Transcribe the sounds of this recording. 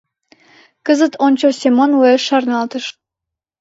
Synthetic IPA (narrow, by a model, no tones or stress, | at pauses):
kəzət̪onʲt͡ɕosʲemonweʃɑrnɑlt̪əʃ